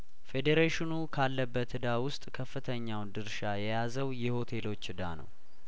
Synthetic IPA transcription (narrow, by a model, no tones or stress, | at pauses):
fe̞d̪eɾeʃɪnukʰalːəbːət̪ɨd̪awʊst̪ʼkʰəfːɨt̪ʰəɲːawnd̪ɨɾʃajɛjazəwjɛho̞t̪ʰe̞lo̞t͡ʃːɨd̪a̰nə̰w